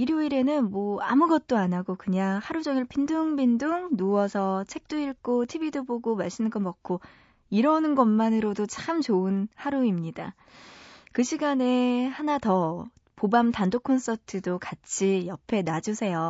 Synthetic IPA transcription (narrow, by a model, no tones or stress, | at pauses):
iɾjoiɾe̞nɯnmʌa̰muɡʌt̚t͈oanaɡokɯɲaŋhaɾud͡ʑʌŋiɭpʰinduŋbinduŋnuwʌsʰʌt͡ɕʰe̞k̚t͈uiɭk͈otʰibidoboɡomaɭs͈ɯnɡʌmʌk̚kʰo | iɾʌnɯnɡʌnmanɯɾodot͡ɕamt͡ɕoɯnhaɾuimɲida̰ | kɯɕʰiɡane̞hanatʌ | pobamtandokʰons͈ʌtʰɯdokat͡ɕʰijʌpʰe̞nad͡ʑusʰe̞jo